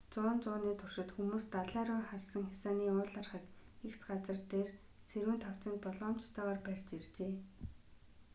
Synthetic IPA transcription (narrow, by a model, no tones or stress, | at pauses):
t͡sʊːnt͡sʊːniːt̪ʰʊr̥ʃɪ̆t̪xumuːst̪aɮæːɾʊːχarsə̆ŋxʲasaːniːʊːɮarχə̆t̪ | ekt͡sɢat͡sə̆rt̪eːr | seɾwɘ̆nt̪ʰɔw̥t͡sə̆nt̪̚pɔɮɔːm̥t͡ɕt̪ʰœːʁɔːrpær̥ʲt͡ɕert͡ɕeː